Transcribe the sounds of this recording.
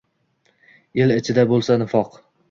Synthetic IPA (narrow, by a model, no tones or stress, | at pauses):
elɪt͡ʃʰɪd̪abolˠsanɪfɒq